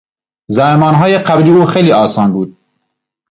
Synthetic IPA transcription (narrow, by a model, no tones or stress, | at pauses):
zæhmɒːnɦɒːjeqæbɾiːuːxejliːɒːsɑːnbuːd̪̥̚